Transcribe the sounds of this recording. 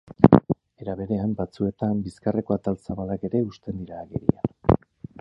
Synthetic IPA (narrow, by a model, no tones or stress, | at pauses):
e̞ɾaβe̞ɾe̞ambat͡sue̞t̪ambiskareko̞at̪alsaβalake̞ɾe̞ust̪e̞nd̪iɾaːɣḛɾḭan